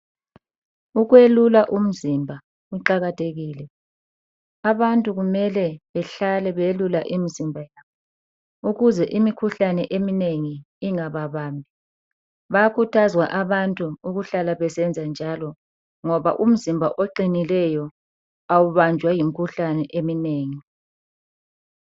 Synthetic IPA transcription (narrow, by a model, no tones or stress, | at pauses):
uɣwelulaʔum̩zimbʱa | uǃaɣatʰeɣiːlɛ | aβantʼuɣumɛlɛβɛɬalɛβelulaʔimizimbʱajaːβɔ | uɣuzɛʔimikʰuɬanɛʔemineŋi | iŋaβaβaːmbʱi | βajakʰutʰazwaʔaβantʼuuɣuɬalaβɛsɛnd͡zʱand͡ʒʱalɔ | ŋɔβa̰ʔum̩zimbʱaʔoǃinilɛjɔ | awuβand͡ʒʱwajimikʰuɬanɛʔemineːŋi